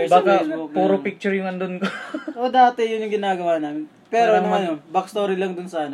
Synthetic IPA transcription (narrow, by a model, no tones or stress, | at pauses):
baːkɐokpuːɾopik̚t͡ʃʊɹjʊŋɐnd̪onkoʔod̪aːt̪ɛjʊnjʊŋɡɪnaːɡɐwaːnaːmɪn | pɛːɾoɐnɐmɐnonbɐkst̪oːɾilɐŋd̪ʊnsɐanɐ